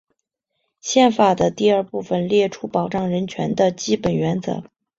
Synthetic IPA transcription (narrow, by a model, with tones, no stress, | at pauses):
ɕjɛ˥˩nfa˨˩d̪ə˦t̪i˥˧ə˞˥˧pu˥˩fə˨nljɛ˥˩ʈ͡ʂʰu˥pɑ˨˩ʊʈ͡ʂɑ˥˩ŋɻə˧˥nt͡ɕʰɥɛ̰˧˥nd̪ə˧t͡ɕi˥pə˨˩nɥɛ˧˥nt͡sɤ̰˧˥